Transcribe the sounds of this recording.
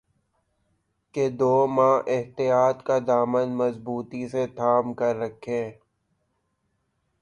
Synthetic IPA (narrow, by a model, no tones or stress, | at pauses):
ked̪oːmãːʔɪɦt̪ijaːt̪kad̪aːmənmɐzbuːt̪iset̪ʰaːmkəɾːɐkʰẽː